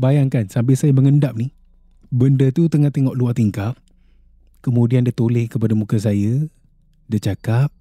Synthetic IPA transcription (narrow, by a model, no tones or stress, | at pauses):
bajaŋkansamp̬ɪlsajəməŋəndap̚ni | bəndət̪ut̪əŋat̪eŋɔʔluaʔt̪iŋkap̚ | kəmũdiandat̪olɪhkəpadamũkəs̬ajə | dət͡ʃakap̚